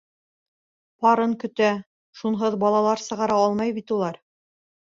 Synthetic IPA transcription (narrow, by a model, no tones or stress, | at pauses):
pɑɾɤŋkɵ̆t̪æ | ʃunɦɤðbɑlˠɑlˠɑɾsɤ̆ʁɑɾɑɑlˠmɑjbit̪ulˠɑɾ